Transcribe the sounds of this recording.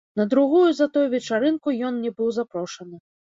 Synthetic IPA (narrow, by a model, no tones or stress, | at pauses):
nɐd̪ɾuɣujuzɐt̪ujuvʲɛt͡ʂaɾɨnkujɔnnʲɛbɨwzapɾɔʂɐnɨ